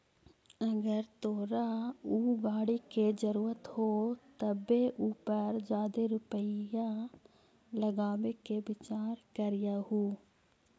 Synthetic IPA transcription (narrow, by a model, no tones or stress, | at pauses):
əɡəɾt̪oːɾauːɡaːɽiked͡ʒəɾuːɾət̪hot̪əbeʔuːpəɾd͡ʒjaːd̪eɾʊpəjã | ləɡaːʋekebɪt͡ʃaːɾkəɾɪjahuː